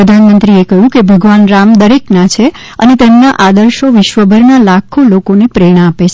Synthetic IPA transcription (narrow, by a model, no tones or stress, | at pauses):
ɾəd̪ʱanmənt̪ɾiekəjũkebʱəɡʋanɾamd̪əɾeknat͡ʃʰe | ə̰net̪emnaʔad̪əɾʃoʋɪʃʋəbʱəɾnalakʰolokonepɾeɽ̃aːpet͡ʃʰe